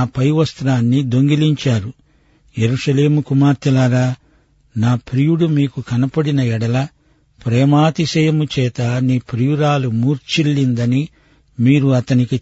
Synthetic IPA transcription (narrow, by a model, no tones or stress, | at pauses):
pɐjʋɐst̪ɾaːnːid̪o̞ŋɡiliɲt͡ʃaːɾu | je̞ɾuʂɐle̞ːmukumaːɾt̪ilaːɾaː | naːpɾijuɽumiːkukɐnɐpɐɽinɐɛɽɐlɐ | pɾɛːmaːt̪isɛjɐmut͡ʃɛːt̪ɐniːpɾijuɾaːlumuːɾt͡ʃilːind̪ɐni | miːɾuɐt̪ɐniki